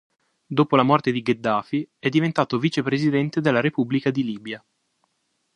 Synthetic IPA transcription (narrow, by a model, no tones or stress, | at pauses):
d̪oːpolamɔrt̪ed̪iɡed̪ːaːfiɛd̪ːivent̪aːt̪oviːt͡ʃepɾezid̪ɛnt̪ed̪elːaɾepubːlikad̪iliːbja